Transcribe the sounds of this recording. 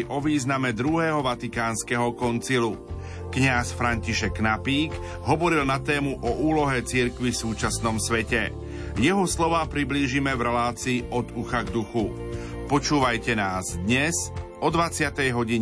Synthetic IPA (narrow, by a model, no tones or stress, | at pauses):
iʔɔʋiːznamɛd̪ɾuɦɛːɦɔʋat̪ikaːnskɛɦɔkɔnt͡silu | kɲasfɾaɲciʃɛknapiːɡ | ɦɔʋɔɾilnat̪ɛːmuʔɔʔuːlɔɦɛt͡siɾkʋifsuːt͡ʃasnɔmsʋɛcɛ | jɛɦɔslɔʋaːpɾibliːʒimɛvɾɛlaːt͡siːɔd̪uxaɡd̪uxu | pɔt͡ʃuːʋajcɛnaːzd̪ɲɛzʔɔd̪ʋat͡sɪat̪ɛjɦɔɟiɲ